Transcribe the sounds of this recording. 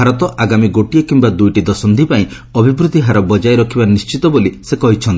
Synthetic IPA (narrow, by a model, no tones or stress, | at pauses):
aɾɔt̪ɔʔaɡamiɡoʈijɔkimbad̪ujʈid̪ɔsɔnd̪ʱipaĩ | ɔbʱibɾud̪ʱiɦaɾɔbɔd͡ʒajɾɔkʰibanist͡ʃit̪ɔbolisekɔɦit͡ʃʰɔnt̪i